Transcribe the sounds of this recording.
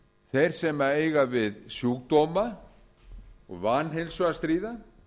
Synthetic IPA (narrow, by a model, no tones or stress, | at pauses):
θejɾ̥sɛmaeːjɣavɪðsjuːkt̪oma | ɔ̰ɣvanɦejlsast̪ɾiːða